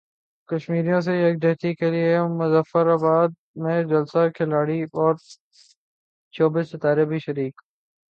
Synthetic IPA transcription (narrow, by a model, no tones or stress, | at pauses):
kɐʃmiːɾijõs̬ejɐk̚d̪eːt̪ikeliemʊzəfəɾaːbaːd̪̚ | mẽd͡ʒɐlsakʰɪlaːɽiɔːɾ | t͡ʃɔːbiːsɪt̪aːɾebʱiʃəɾiːk